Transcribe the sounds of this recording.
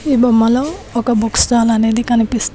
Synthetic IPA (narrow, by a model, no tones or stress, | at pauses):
ibɔmalɔɔkabukstalaned̪ikanipis